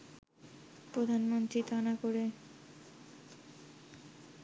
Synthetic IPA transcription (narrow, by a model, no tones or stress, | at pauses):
pɾod̪ʱanmont̪ɾit̪anakoɾe